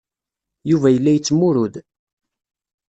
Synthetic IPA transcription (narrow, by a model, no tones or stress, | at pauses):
juvæjəlːæjət͡sːmʊɾʊð